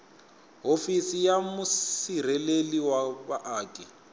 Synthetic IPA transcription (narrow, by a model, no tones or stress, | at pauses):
ɦofisijamʊsir̤ɛleliwaβaʔaːkʼɛ